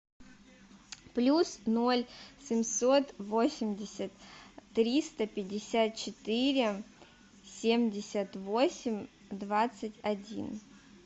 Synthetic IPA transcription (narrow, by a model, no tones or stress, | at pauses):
plʲusno̞lʲsʲɪmʲsot̪vo̞sʲɪmʲdʲɪsʲət̪ːɾʲist̪əpʲɪdʲɪsʲat̪̚t͡ɕɪt̪ɨɾʲɪ | sʲemʲdʲɪsʲət̪vo̞sʲɪmʲ | d̪vat̪sɨtʲɐdʲḭn